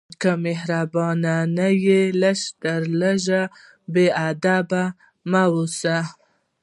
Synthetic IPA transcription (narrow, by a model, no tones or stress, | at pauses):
kameɦɾabɑnanajelaʃd̪əɾlaʒa | bead̪aba | mawusa